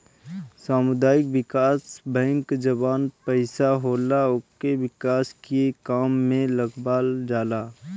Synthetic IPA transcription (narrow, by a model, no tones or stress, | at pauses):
saːmʊd̪aːɪkbɪkaːsbɛ̃ːŋkd͡ʒəbaːnpəɪsaɦoːlaʊkewɪkaːskekaːmːẽləɡbaːld͡ʒaːlaː